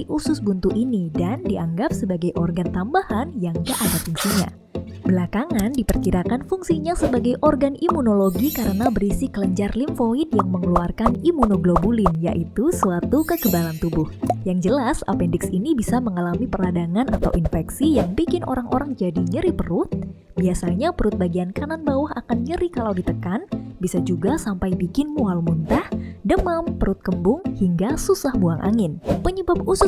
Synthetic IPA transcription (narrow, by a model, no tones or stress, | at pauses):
iʔusʊsbunt̪uʔinidandiʔaŋɡap̚səbaɡajʔɔrɡant̪ambahanjaŋd͡ʒaʔadat̪insiɲa̰ | bəlakaŋandipərkiɾakanfuŋsiɲasəbaɡajʔɔrɡanimunoloɡikaɾənabəɾisikələɲd͡ʒarliɱfoɪt̪̚jaŋməŋəluarkanimunoɡlobulɪnja̰ʔit̪usəat̪ukəɡəbalant̪ubʊhjaŋd͡ʒəlasa̰pɛndɪksinibisaməŋalamipərladaŋanʔa̰t̪a̰wʔinfɛksijaŋbikɪnʔo̰ɾaŋʔo̰ɾaŋd͡ʒadiɲəɾipəɾʊt̪̚ | biasaɲapəɾʊt̪̚baɡiankananbawuɦakanɲəɾikalawdit̪əkanbisad͡ʒuɡasampajbikɪnmualmunt̪ahdəmampəɾʊt̪̚kəmbʊŋhiŋɡasusahbuaŋʔa̰ŋɪnpəɲəbap̚usʊ